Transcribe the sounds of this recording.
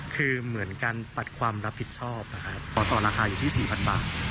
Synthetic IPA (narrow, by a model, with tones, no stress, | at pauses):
kʰɯː˧mɯ˩˦ənkaː˧npa˨˩t̪̚kʰwaː˧mɾa˦˥pʰːi˨˩t̪̚t͡ɕʰɔː˥˩p̚na˦˥kʰa˦˥ɔː˨˩t̪ɔː˨˩ɾaː˧xaː˧juː˨˩t̪ʰiː˥˩siː˨˩pʰa˧nba̰ː˨˩t̪̚